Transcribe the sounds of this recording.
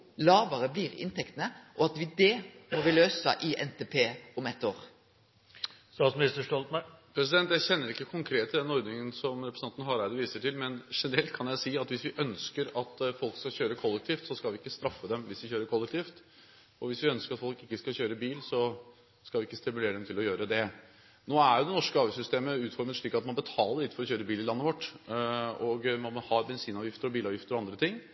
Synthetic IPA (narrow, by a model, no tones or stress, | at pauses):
lɑːʋəɾəbliːɾɪ̰nt̪ʰɛkt̪ənəʔɔɑt̪ʋɪd̪ɛmɔʋɪløːsə̰ʔɪʔɛnt̪ʰeːpʰeːʊmɛt̪ːoːɾ | st̪ɑːt̪smɪnɪst̪əʂʈɔlt̪mæpʰɾɛs̬ɪd̪ɛnt̪jæɪçɛnːəɾɪkːəkʰʊŋkʰɾeːt̪ːd̪ɛnɔɾd̪nɪŋənsɔmɾɛpɾə̥sɑnt̪ənəɦɑɾæɪd̪əʋiːsəʈʰɪlmɛnʂɛnəɾɛlt̪kʰɑnjæɪsiːɑt̪ʋɪsʋɪʔœnskəɾɑt̪fɔlkskɑɕøːɾəkʰɔlːɛkt̪ʰiːft̪sɔskɑlʋɪɪkːəst̪ɾɑfːəd̪ɛmʋɪsʋɪçøːɾəɾkʰɔlːɛk̚t̪ʰiːft̪ | ɔʋɪsʋɪœnskəɾɑt̪fɔlkɪkːəskɑçøːɾəbiːlsɔ | skɑʋɪɪkːəst̪ɪmʉleːɾəd̪ɛmt̪ʰɪlɔjøːɾəd̪ɛ | noːæɾjʊd̪ɛnɔʂkəɑːʋɪsʏst̪eːməʉːt̪fɔɾmət̪ʂɭiːkːɑt̪mɑnbət̪ʰɑːləɾɭɪt̪fɔɾɔçøːɾəbiːlɪlɑnːəʋɔʈː | ɔɡmɑnmɔhɑːɾbɛnsiːnɑːʋjɪft̪əɾɔbiːlɑːʋjɪft̪əɾɔɑnd̪ɾət̪ʰɪŋː